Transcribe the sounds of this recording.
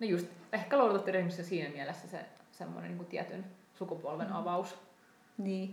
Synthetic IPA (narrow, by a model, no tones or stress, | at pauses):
nojust̪ehkæloˑudet̪ɑt̪ːeryhmisːensiːnæmiælesːæsḛsemːo̰nḛniːŋkut̪iæ̰t̪yn | sukupuolʋenɑʋɑus | niː